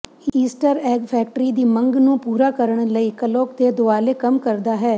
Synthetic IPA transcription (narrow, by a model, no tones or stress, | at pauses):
iːsʈəɾɛːɡpʰɛːk̚ʈɾiːd̪iːməŋɡnũːpuːɾaːkəɾəɳ̃ləiːkəloːkd̪eːd̪ʊaːleːkəmkəɾd̪aːɦɛː